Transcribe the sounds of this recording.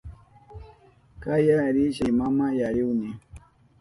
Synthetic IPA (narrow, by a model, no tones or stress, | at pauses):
kajaɾiʃimamajajuwni